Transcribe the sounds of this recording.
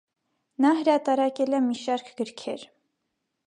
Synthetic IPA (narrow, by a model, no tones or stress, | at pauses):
nɑɦəɾɑt̪ɑɾɑkɛlɛmiʃɑɾkʰɡ̥əɾkʰɛɾ